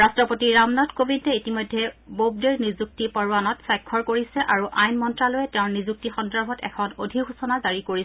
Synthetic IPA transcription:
ɹastɹɔpotiɹamnɔtkobintɛitimɔjdʱːɛbob̚deɹnizuk̚tipɔɹwanɔtsajkʰːɔɹkoɹisɛʔaɹuʔajnmɔntɹalojɛtɛʊ̃nizuk̚tixɔndɔɹbʱɔtɛ̰kʰɔnodʱixusɔnazaɹikoɹisɛ

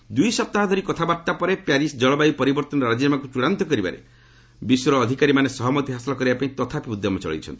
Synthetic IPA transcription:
d̪ujsɔp̚t̪aɦɔd̪ʱɔɾikɔt̪ʰabaɾt̪apɔɾepjaɾisd͡ʒɔɭɔbajpɔɾibɔɾt̪ɔnɔɾad͡ʒinamakut͡ʃuɽant̪ɔkɔɾiba̰ɾḛ | biswɾɔːd̪ʱikaɾimanesɔɦɔmɔt̪iɦasɔlɔkɔɾibapaĩt̪ɔt̪ʰapibud̪ʱːɔmɔt͡ʃɔ̰ɭḭt͡ʃʰɔ̰nt̪i̥

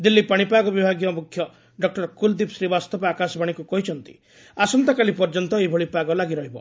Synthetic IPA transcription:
d̪ilːipaɽ̃ipaɡɔbibʱaɡjɔmukʰjɔ | ɖɔk̚ʈɔɾkuld̪ipsɾibast̪ɔpɔakasɔbaɽ̃ikukɔɦit͡ʃʰɔnt̪i̥̰ | asɔnt̪akalipɔɾd͡ʒɔnt̪ɔebʱɔɭipaɡɔlaɡiɾɔɦibɔ

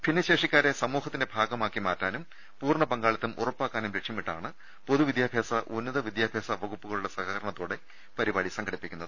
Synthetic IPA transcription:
pʰinːɐɕe̞ːʂikʲːaːɾesɐmuːhɐt̪ːinde̞bʱaːɡɐmaːkːimaːtːaːnum | puːrɳɐpɐŋɡaːɭɐt̪ːumʔṵrɐpːaːkːaːnumɾekʂjɐmiʈːaːɳɨ | poðuʋid̪jaːbʱjaːsɐʔunːɐðɐʋid̪jaːbʱjaːsɐʋɐɣupːuɣɐɭuɭːɐsɐɣɐɐɾɐɳɐt̪ːoːɽe̞ | pɐɾibaːɽisɐŋɡʰʱɐɽipːikʲːunːɐðɨ

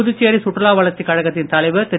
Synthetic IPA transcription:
ʊðɯt͡ʃːeːɾisʊʈrɐlaːʋɐɭɐt͡ʃːikɐɻɐɣɐt̪ːɪnt̪ɐlɐɪʋɯt̪ɛ

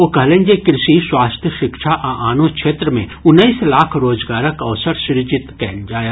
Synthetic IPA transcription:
oːkɐɦlẽːɲd͡ʒekɾɪsiswaːst̪ʰjəʃɪkʃaʔaʔaːnõkʃʰeːt̪ɾəmḛ̃ʊnːəiːslaːkʰɾoːd͡ʒɡaːɾəkɐʋsəɾʃɪɾd͡ʒɪt̪kɛːnd͡ʒaːjaː

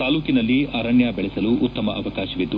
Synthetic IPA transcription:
t̪aːluːkinɐlːiɐːɾɐɳjabɛɭɛsɐluʔːt̪ːɐmɐʔɐʋɐkaːʃɐʋid̪ːu

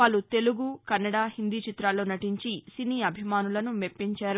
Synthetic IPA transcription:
pɐlut̪e̞luɡukɐnːɐɽaːhind̪iːt͡ʃit̪ɾaːlo̞ːnɐʈiɲt͡ʃisiniːɐbʱimaːnulɐnumepːiɲt͡ʃaːɾu

